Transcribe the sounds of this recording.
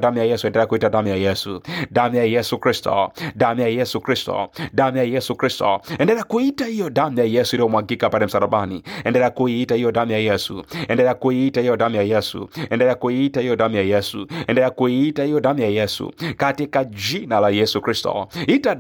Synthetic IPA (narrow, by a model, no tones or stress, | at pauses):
damjajɛsuɛ̃ndɛɾɛakuitadamijajɛsudamijajɛsukɾistɔ̰damijajɛsukɾistɔ̰damjajɛsukɾistɔ̰ɛndɛɾɛakuitaijɔdamijajɛsuiɾiɔmwaɡikapandɛm̩saɾaɓanḭɛndɛɾɛakuiitaijɔdamijajɛsṵɛndɛɾɛakuiitaijɔdamijajɛsṵɛndɛɾɛakuiitaijɔdamijajɛsṵɛndɛɛakuiitaijɔdamijajɛsṵkatikad͡ʒinalajɛsukɾistɔ̰ita